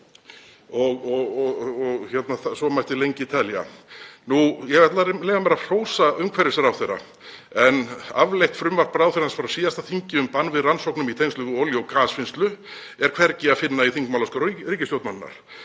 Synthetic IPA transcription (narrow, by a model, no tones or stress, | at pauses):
ɔɣɔɣɔɔɣçɛt̪naθasɔmajht̪ɪlejɲcɪit̪ʰɛlja̰nujɛvɛt̪lalejvamɛɾar̥oːwsaʏmkʰvɛɾɪ̥sɛɾawθejɾːa̰ | ɛnavlejht̪fɾʏmvar̥paɾawfɛɾansfaɾasiːðast̪aθiɲcɪʏmpanːvɪðransowknʏmit̪ʰejnslʏɣʏoːljowkaːsfɪnst̪lʏ | ɛɾ̥kʰv̥ɛɾcɪafɪnːaiθiŋkmawlaskɔɾiɾiːcɪst̪jowt̪mannːa̰ɾ̥